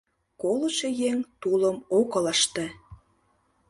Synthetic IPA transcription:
kolə̆ʃejeŋt̪uləmokɤ̆ləʃt̪ĕ

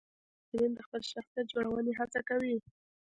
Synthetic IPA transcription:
dəɾind̪əxpəlʃaxsjat̪̚d͡ʒoɽawəneɦat͡sakawi

